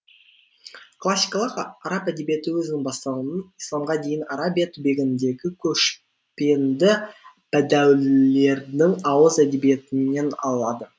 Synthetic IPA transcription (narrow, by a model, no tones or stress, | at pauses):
kʰlˠasʲːijkɑlˠəqɑɾapæd̪e̞bije̞t̪ɪwɵzɪnɪŋbɑst̪ɑwənənijslˠɑmʁɑd̪e̞jɪnɑɾabijat̪ʰʊbe̞ɡʲɪnd̪e̞ɡʲɪkʲʰɵʃ | pe̞nd̪ɪ | pæd̪æwlle̞ɾnɪŋɑwəzæd̪e̞bije̞t̪ɪne̞nɑ̰lˠɑd̪ə